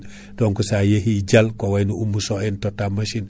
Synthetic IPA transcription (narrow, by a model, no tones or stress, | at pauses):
d̥oŋkusajehiɟalkowajnuumːusoɛntotamaʃin